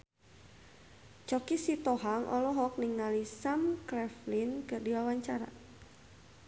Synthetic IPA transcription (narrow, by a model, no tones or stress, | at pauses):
t͡ʃɔkisit̪ɔɦaŋʔɔ̰lɔɦɔk̚niŋalisamkɾɛflinkɨrdiwawaɲt͡ʃaɾa̰